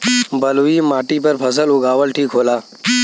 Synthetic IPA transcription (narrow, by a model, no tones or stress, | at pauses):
bʱɐluimaːʈipɐɾpʰɐs̬əlʊɡaːʋəlʈʰiːkɦoːlaː